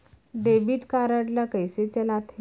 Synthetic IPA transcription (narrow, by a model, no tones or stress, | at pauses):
ɖebiːʈkaɾaʈlakəjset͡ɕɛnat̪ʰ